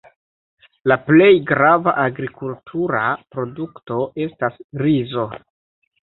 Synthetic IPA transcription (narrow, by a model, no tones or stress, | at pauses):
laple̞jɡɾavaʔaɡɾikultʰuɾapɾo̞dukto̞ʔe̞stasɾizo̞